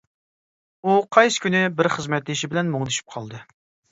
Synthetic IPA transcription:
uqʰɑjsɨ̥kʲʰynɪbɪɾχəzmɛt̪lɪʃibɪlɛnmoŋd̪yʃy̥p̚qʰɑlˠd̪ɨ

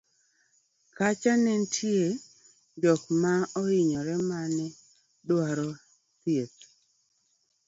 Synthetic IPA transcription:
kat͡ʃanɛntʰje | dɔkmaɔɪɲɔɾɛmanɪ | dwaɾɔ | sjet

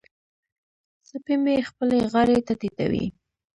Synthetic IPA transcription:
sapemexpəleɣaɾet̪at̪it̪a̰wḭ

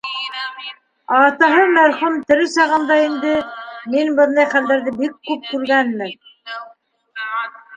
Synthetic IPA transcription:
ɑːt̪ɑɦɤmæɾχumt̪ɘ̆ɾɘsɑʁɑ̆nd̪ɑind̪ɘminbɤ̆nd̪ɑjχæld̪æɾðɘbikːʉp̚kʉɾɡænmɘn

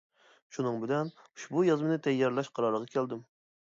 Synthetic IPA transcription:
ʃunɨŋbɪlɛnu̥ʃbujɑzmɨnɨt̪ʰɛjːɑɾlˠɑʃqʰɑɾɑɾləʁɑkʲʰɛld̪ɪm

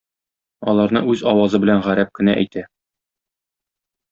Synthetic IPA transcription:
ɒlˠɑɾnɤʔʉzɒwɑzɤbɘ̆lænʁæɾæp̚kɘ̆næʔæ̰jt̪ʰæ

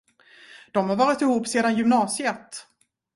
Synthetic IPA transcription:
d̪̥ɔmhaɾvɑːɾɪt̪ɪhuːpːseːd̪anjʏmnɑːsɪɛt̪ː

